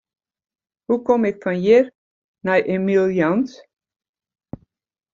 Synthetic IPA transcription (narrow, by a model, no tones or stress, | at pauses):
hukɔmɪkfɑnjɪr | najʔemilˠjɑnt